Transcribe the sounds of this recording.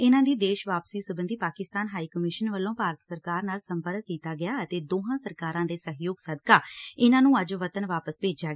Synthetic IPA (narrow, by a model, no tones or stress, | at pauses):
ɪnãːd̪iːd̪eːʃʋaːpsiːsʊbənd̪iːpaːkɪst̪aːnɦaːiːkəmɪʃənʋəlːõːpaːɾət̪səɾkaːɾnaːlsəmpəɾkkːiːt̪aːɡɪjaːət̪eːd̪oːɦãːsəɾkaːɾãːd̪eːsəɦjoːɡsəd̪kaːɪnãːnũːəd͡ʒʋət̪ənʋaːpəspeːd͡ʒaːɡ